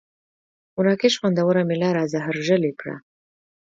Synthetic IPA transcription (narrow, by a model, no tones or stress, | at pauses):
ʊɾɑkeʃwand̪awəɾamɪlɑɾazaɦaɾʒəlekɽa̰